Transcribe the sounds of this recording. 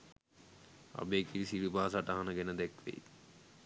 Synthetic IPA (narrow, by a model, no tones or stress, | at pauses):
a̰beːkiɾisiɾibaːsaʈaɦanəɡɛnəd̪ɛkʋḛj